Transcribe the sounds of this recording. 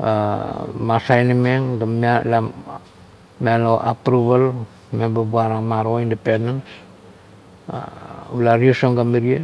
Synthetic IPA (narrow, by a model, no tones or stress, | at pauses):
amasajnimeŋdamala | mialoʔa̰pɾuβal | mebabuaɾamaɾoindependens | ulaɾiosoŋɡamiɾie